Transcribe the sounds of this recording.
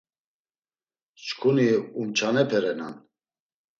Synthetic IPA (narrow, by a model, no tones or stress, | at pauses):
t͡ʃkʰuniumt͡ʃʰanɛpʰɛɾɛna̰n